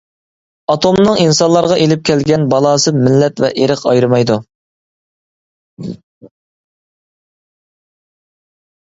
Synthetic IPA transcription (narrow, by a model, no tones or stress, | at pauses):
ɑt̪ʰomnɨŋinsɑnlˠɑɾʁɑʔelɪp̚kʲʰɛlɡʲɛnbɑlˠɑːsɨmɪlːɛt̪vɛ̰ʔeɾəqɑjɾɨmɑjd̪u